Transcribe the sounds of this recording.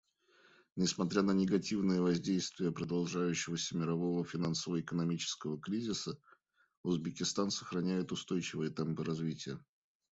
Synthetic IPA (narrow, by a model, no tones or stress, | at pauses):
nʲɪsmɐt̪ɾʲanənʲɪɡɐtʲivnɨjəvɐzʲdʲejst̪vʲɪjəpɾəd̪ɐlˠʐajʉɕːɪvəsʲəmʲɪɾɐvo̞vəfʲɪnansəvəɪkənɐmʲit͡ɕɪ̥skəvəkɾʲizʲɪsə | ʊzbʲɪkʲɪst̪ansə̥xɾɐnʲæjɪt̪ʊst̪o̞jt͡ɕɪvɨjət̪ɛmpɨɾɐzvʲitʲɪjə